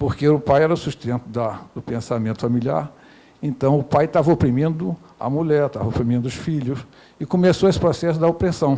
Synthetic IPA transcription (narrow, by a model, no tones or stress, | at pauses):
poɾkeʊpajɛɾɐʊsuʃt̪ẽnt̪ʊd̪ɐd̪ʊpẽsamẽnt̪ʊfamilia̰ɾ | ẽnt̪ɐ̃w̃ʊpajt̪avɐopɾimĩnd̪ʊ | ɐ̰muʎɛɾt̪a̰vɐopɾimĩnd̪ʊʊsfiʎʊs | ɪkomesoesɪ̥pɾɔsɛsʊd̪ɐopɾesɐ̃w̃